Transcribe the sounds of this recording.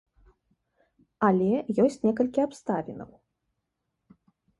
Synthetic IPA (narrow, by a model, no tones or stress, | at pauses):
ɐlʲɛjɔsʲt͡sʲnʲɛkɐlʲkʲiapst̪avʲinɐ̰w